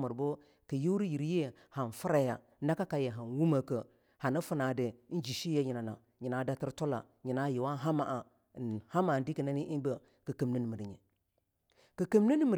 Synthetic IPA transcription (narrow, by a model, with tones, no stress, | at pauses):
mə˨ɾbo˦ | kə˨ji˦ɾi˦ji˨ɾje˦ | ha˨n˨fu˦ɾa˦ja̰˨ | na˦ka˦ka˨je˨ɦa˨nwu˦mə˨kə˨ | ha˨nə˦fu˦na˨de˨˦d͡ʒi˨ʃi˦je˦ɲi˨na˨na̰˨˦ɲi˨na˨˦da˦ti˦ɾto˦la̰˨ | ɲi˨na˦ji˨wa˦ɦa˦ma˨ʔa˨ | ha˦ma˨n˨di˦kə˨na˦ni˦ʔi˦bə˨ | kə˨kə˨mnə˦n˨mi˨ɾɲḛ˨ | kə˨kə˨m˦nə˦ni˦mə˨ɾ